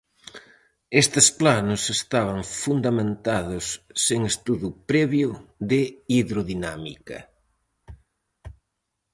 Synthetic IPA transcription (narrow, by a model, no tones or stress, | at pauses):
est̪ɪsplanʊsest̪aβɐŋfund̪amẽnt̪aðʊsːeŋest̪uðupɾɛβjʊðɪiðɾoðinamḭkɐ̰